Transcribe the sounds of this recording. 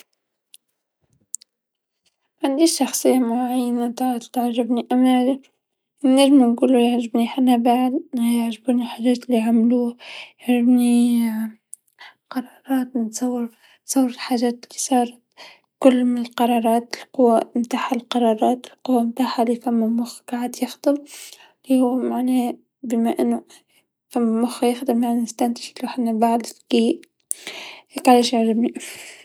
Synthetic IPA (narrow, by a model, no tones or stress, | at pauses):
ʕand̪iʃːɑxsˤɨjːamʊʕajːanat̪ɑʕd̪t̪aʕʒɪbniʔama | nɪʒmanɡuːlujaʕʒɪbniħanːabaʕdjaʕʒabuːniħaːʒæːt̪ɪlːiʕamluːhajaʕʒɪbni | qɑɾˤɑːɾˤɑːt̪nɪt̪sˤɑwːɪɾ | nsˤɑwːɾɪlħaːʒæːt̪ɪlːisˤɑːɾˤɑt̪ | kʊlːmɪnɪlqɑɾˤɑːɾˤɑːt̪ɪlqʊwːamt̪aːħalqɑɾˤɑːɾˤɑːt̪ɪlqʊwːamt̪aːħalifamːumʊxɡaʕɪd̪jɪxd̪̥ɨm | lihʊwːmaʕneː | bɪmaʔɪnːʊ | famːmʊxjɪxd̪ɨmjaʕnaɪst̪ant̪ɪ̥ʃuħanːabaʕd̪fkiːʔ | heːkʕaleːʃjɪʕɾɪbni